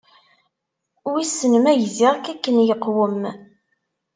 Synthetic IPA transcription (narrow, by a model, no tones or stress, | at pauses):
wisənəmæjziʁækækːənjəqːwəm